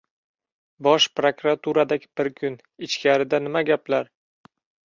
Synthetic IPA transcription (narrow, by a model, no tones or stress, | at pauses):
bɒʃpɾokɾat̪ʰuɾad̪aɡʲɪb̥ɪɾkʲʰʊn | ɪt͡ʃkʲaɾɪd̪anɪmaɡʲaplaɾ